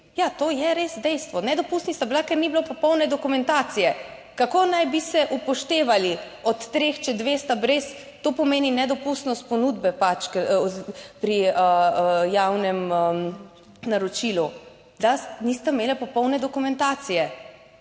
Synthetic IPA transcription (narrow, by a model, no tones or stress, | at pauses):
jat̪oːjɛɾesd̪ɛjst̪ʋɔnɛd̪ɔpust̪nist̪abilakɛɾnibilopɔpɔwnɛd̪ɔkumɛnt̪aːt̪sijɛ | kakoːnajbisɛʔupɔʃt̪eːʋali | ɔt̪ːɾext͡ʃɛd̪ʋeːst̪abɾes | t̪oːpɔmeːninɛd̪ɔpust̪nɔst̪̚pɔnud̪bɛpat͡ʃk | pɾiəjawnɛmə | naɾɔt͡ʃilu | d̪anist̪ameːlapɔpɔwnɛd̪ɔkumɛ̃nt̪aːt̪sijɛ